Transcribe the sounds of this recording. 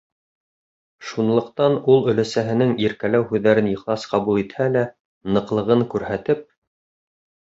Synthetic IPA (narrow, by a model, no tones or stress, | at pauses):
ʃunlˠɤ̆qt̪ɑnulˠɵ̆læsæɦɘ̆nɘŋiɾkælæwhʉðːæɾɘnjɤ̆χlˠɑsqɑβulˠit̪hælæ | nɤ̆qlˠɤ̆ʁɤŋkʉɾhæt̪ɘp̚